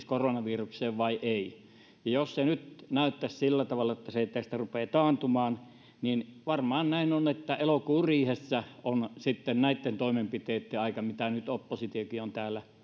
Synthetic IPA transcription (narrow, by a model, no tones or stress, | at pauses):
skoronɑʋiːrukseːʋʋɑiʔeˑi | jɑjossenyt̪næˑyt̪ːæssilːæt̪ɑʋɑlːˑɑet̪ːæseˑit̪ːæst̪ærupeːt̪ɑːnt̪umɑːn | ninʋɑrmɑːnnæˑinonet̪ːæelokuːriːhesːæonsit̪ːennæˑit̪ːent̪oˑimempit̪eːt̪ːeɑˑikɑmit̪ænyt̪opːosit̪iokiont̪æːlːæ